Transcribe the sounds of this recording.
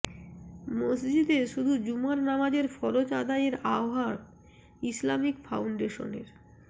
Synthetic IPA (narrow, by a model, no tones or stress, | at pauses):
mosd͡ʑid̪eʃud̪ʱud͡ʑumaɾnamad͡ʑeɾfɔɾot͡ɕad̪ajeɾaoɦaɾ | islamikfʰawɳɖeʃo̰nḛɾ